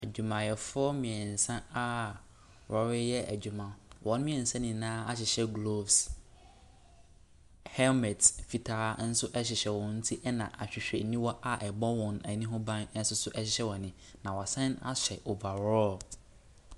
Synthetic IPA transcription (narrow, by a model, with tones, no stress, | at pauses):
æ˨d͡ʑᶣu˨mã˨jɛ˨fʊ˦ɔ˦mɪ̃˨ɛ˨n̩˨sã˦a˦ | ɾɔ˨ɾɪ˦jɛ˦ʔæ̰˨d͡ʑᶣu˨mã˨wʔɔ̃˨n˦mĩ˦ɛ̃˨n̩˨sã˦nɪ̃˨nãː˦a˦ɕ̬ɪ˨ɕɛ˦ɡlo˦˨vs | hɛ˦lmɛ˨tfi˨tʰaː˦n̩˦sʊ˦ʔɛ˦ɕɪ˨ɕɛ˨wɔ̃˨n̩˦tʰi˦ʔɛ˦nã˨ʔa˨ɕᶣɪ˨ɕᶣɛ˨nĩ˦wɔ˦ʔa˨ʔɛ˨bɔ˦wɔ̃˨nɛ˨nĩ˦ɦʊ̃˦bã˦nɛ̃˦sʊ˦sʊ˦ʔɛ˦ɕɪ˨˦ɕɛ˦wɔ̃˨nɪ̃˨ | nã˨wɔ˨sɛ̃˦na̰˦ɕᶣɛ̰˨ʔo˨va˨ɾɔ˦l